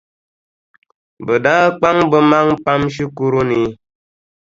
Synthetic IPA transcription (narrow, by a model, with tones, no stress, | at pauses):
bə˨daː˦k͡pa˦ŋbə˦ma˦ŋpa˦mʃi˦ku˦ɾu˦ni˨˦